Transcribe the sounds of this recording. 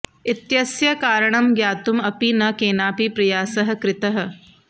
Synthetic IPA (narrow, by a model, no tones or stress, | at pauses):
ɪt̪jɐsjɐkaːɾɐɳ̃ɐmɡjaːt̪umɐpinɐkeːnaːpipɾɐjaːsɐɦɐ̆kɾɪt̪ɐɦɐ̆